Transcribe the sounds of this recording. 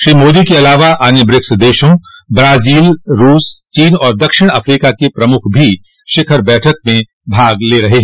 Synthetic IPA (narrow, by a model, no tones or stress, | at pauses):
ʃɾiːmoːd̪ikeɐlaːʋaʔaːnebɾɪksd̪eːʃõbɾaːziːlɾuːst͡ʃiːnɔːɾd̪ɐkʃɪɽ̃ɐfɾiːkakepɾɐmʊkʰbʱi | ʃɪkʰəɾbɛːʈʰək̚mẽ | bʱaːɡleɾɐɦeɦɛ̃ː